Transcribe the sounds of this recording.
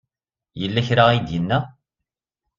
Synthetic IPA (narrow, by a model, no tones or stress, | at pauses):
jəlːæçɾaid̪jənːæ